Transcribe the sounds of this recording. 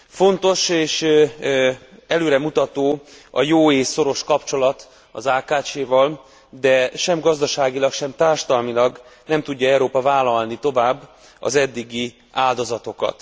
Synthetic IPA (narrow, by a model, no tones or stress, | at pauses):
fo̞nt̪o̞ʃeːʃ | ɛløːɾɛmut̪ɒt̪oːɒ̰joːeːso̞ɾo̞ʃkɒpt͡ʃo̞lɒt̪ | ɒzaːkaːt͡ʃeːvɒl | d̪ɛʃɛmɡɒzd̪ɒʃaːɡilɒkʃɛmt̪aːrʃɒd̪ɒlmilɒɡnɛmt̪uɟːɒɛwɾoːpɒvaːlɒlnit̪o̞vaːbː | ɒ̰zɛd̪ːiɡi | aːld̪o̞zɒt̪o̞kɒ̰t̪